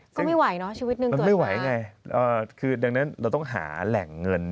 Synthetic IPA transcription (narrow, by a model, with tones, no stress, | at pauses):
kɔː˥˩ma˥˩jwa˨˩˦jnɔ˦˥t͡ɕʰi˧wi˦t̪̚nɯ˧m˧nma˥˩jwa˨˩˦jŋa˧jʔəː˨˩kʰɯː˧da˧ŋna˦˥nɾa˧wt̪ɔ˥˩ŋɦa̰ː˩˦lɛ˨˩ŋːɤ˧n